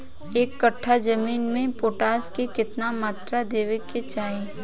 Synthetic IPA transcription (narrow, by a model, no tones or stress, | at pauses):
eːkːɐʈʰːad͡ʒɐmiːnmẽpoːʈaːskekɪt̪namaːt̪ɾad̪eːʋeket͡ʃaːẽ